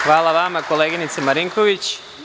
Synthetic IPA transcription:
xʋaːlˠaʋamako̞leːɡinit̪semaɾiŋkoʋit͡ɕ

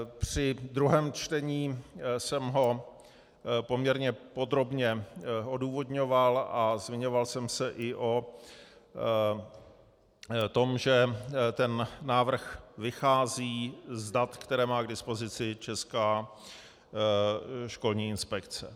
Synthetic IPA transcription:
pr̝̥ɪd̪ɾuɦɛːmt͡ʃt̪ɛɲiːsɛmɦo̞ | po̞mɲɛɾɲɛpo̞d̪ɾo̞bɲɛo̞duːvo̞dɲo̞valʔazmɪɲo̞valsɛmsɛʔɪʔo̞ | t̪o̞mʒɛt̪ɛnːaːvr̩xvɪxaːziːzdat̪kt̪ɛɾɛːmaːɡdɪspo̞zɪt͡sɪt͡ʃɛskaː | ʃko̞lɲiːɪnspɛkt͡sɛ

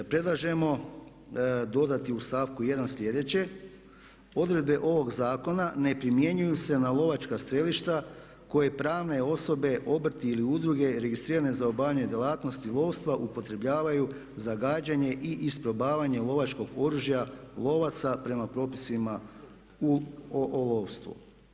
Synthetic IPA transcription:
apɾe̞d̪lˠaʒe̞mo̞ | d̪o̞d̪at̪iust̪aːʋkuje̞d̪anslʲe̞d̪e̞t͡ɕe̞ | o̞d̪ɾe̞d̪̚be̞ʔo̞ʋo̞ɡzaːko̞nane̞pɾimje̞ɲujuse̞nalˠo̞ʋat͡ʃkast̪ɾe̞liʃt̪a | ko̞je̞pɾaːʋne̞o̞so̞be̞ʔo̞br̩t̪iːliud̪ɾuɡe̞ɾe̞ɡist̪ɾiːɾane̞zaobaːʎaɲe̞d̪jelˠaːt̪no̞st̪ilˠo̞ːʋst̪ʋaʔupo̞t̪ɾe̞bʎaːʋaju | zaɡaːd͡ʑaɲe̞ʔiʔispɾo̞baːʋaɲe̞lˠo̞ʋat͡ʃko̞ɡo̞ɾuʒjalˠo̞ʋat̪sapɾe̞mapɾo̞ːpisima | uʔlo̞ːʋst̪ʋṵ

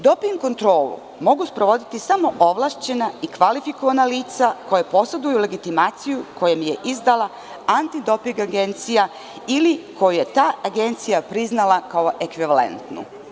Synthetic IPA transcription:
d̪o̞piŋɡko̞nt̪ɾo̞ːlṵ | mo̞ɡuspɾo̞ʋo̞d̪it̪isamo̞ʔo̞ʋlˠaːʃt͡ɕe̞naikʋalifiko̞ʋanaliːt̪sako̞jepo̞sed̪ujule̞ɡit̪imaːt̪sijuko̞jemije̞ʔizd̪ala | ant̪id̪o̞piŋɡaɡe̞nt̪sija | iliko̞juje̞t̪aːʔaɡe̞nt̪sijapɾiznalakao̞ʔe̞kʋiʋale̞̰nt̪nṵ

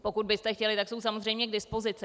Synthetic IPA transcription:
po̞kud̪̚bɪst̪ɛxcɛlɪt̪akso̞ws̬amozrɛjmɲɛɡdɪspo̞zɪt͡sɪ

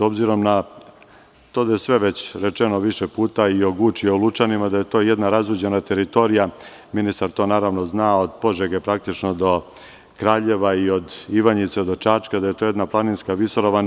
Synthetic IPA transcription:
so̞bziɾo̞mna | t̪o̞d̪ajesʋe̞ʋe̞t͡ɕɾet͡ʃeno̞ʋiʃepuːt̪aioɡut͡ʃiolˠut͡ʃanimad̪aje̞t̪o̞ːjed̪naɾazuːd͡ʑe̞nat̪e̞ɾit̪o̞ɾija | minist̪aɾt̪o̞ːnaːɾaʋnoznaːod̪po̞ʐeɡepɾak̚t̪it͡ʃnod̪o̞ | kɾaːʎe̞ʋaio̞d̪iʋaɲit̪sed̪ot͡ʃat͡ʃkad̪ajet̪o̞ːje̞d̪naplˠaninskaʋisoɾoʋan

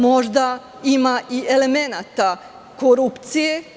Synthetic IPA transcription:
mo̞ʒd̪a | imaʔiele̞me̞nat̪a | koɾupt̪sije

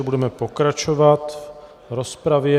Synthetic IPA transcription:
ɛbudɛmɛpokɾat͡ʃovat̪v | ɾospɾavjɛ

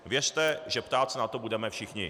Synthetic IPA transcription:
vjɛrt̪ɛʒɛpt̪aːt̪sɛnat̪o̞budɛmɛfʃɪxɲɪ

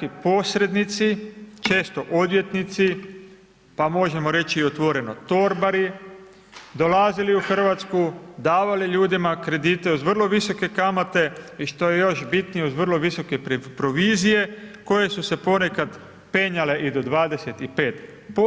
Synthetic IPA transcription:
ipo̞ːsɾe̞d̪nit̪sit͡ʃe̞ːst̪o̞ʔo̞d̪ʋje̞t̪nit̪si | pamo̞ʒe̞mo̞ɾe̞t͡ɕiiot̪ʋo̞ɾe̞no̞t̪o̞ɾbaɾi | d̪o̞laziliuxr̩ʋat̪skud̪aːʋaliʎuːd̪imakɾe̞d̪iːt̪e̞uzʋr̩lˠo̞ʋiso̞ke̞kamat̪e̞iʃt̪o̞je̞jo̞ʃbit̪nijeuzʋr̩lo̞ʋiso̞ke̞ppɾo̞ʋiːzije̞ko̞je̞suse̞po̞ne̞kad̪ | pe̞ːɲale̞ʔid̪o̞d̪ʋaːd̪e̞se̞t̪ipeːt̪ | po

